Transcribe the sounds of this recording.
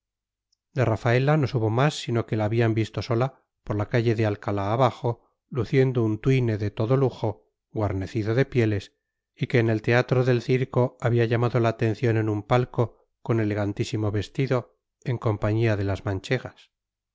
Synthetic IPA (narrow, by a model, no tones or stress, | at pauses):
d̪e̞rafae̞lano̞suβo̞masːino̞ke̞laːβiambist̪o̞so̞la | po̞ɾlakaʝe̞ðe̞alkalaːβaxo̞ | luθje̞nd̪ount̪wijne̞ðe̞t̪o̞ðo̞luxo̞ | ɣwaɾne̞θiðoðe̞pje̞le̞s | ike̞ːne̞lt̪e̞at̪ɾo̞ðe̞lθiɾko̞aβiaʝamaðo̞laːt̪e̞n̟θjone̞numpalko̞ | ko̞ne̞le̞ɣ̞ant̪isimo̞βe̞st̪iðo̞ | e̞ŋko̞mpaɲiaðe̞lazmãnt͡ʃe̞ɣas